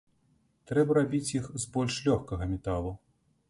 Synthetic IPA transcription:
t̪ɾɛbɐɾabʲit͡sʲjixzbɔlʲʂlʲɔxkɐɣɐmʲɛt̪alˠu

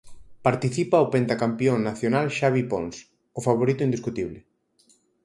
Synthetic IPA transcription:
paɾt̪iθipaopent̪akampjoŋnaθjonalʃaβipons | ʊfaβ̞oɾit̪ʊind̪iskut̪iβlɪ

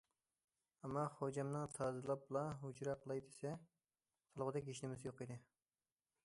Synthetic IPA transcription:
ɛmːɑχod͡ʒɛmnɨŋt̪ʰɑzɨlˠɑp̚blˠɑɦud͡ʒɾɑqʰəlˠɑjd̪esɛ | sɑlˠʁəd̪ɛkʲiʃnɪmɪzjoqid̪ɪ

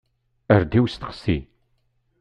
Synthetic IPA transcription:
əɾd̪iwst̪qsḭ

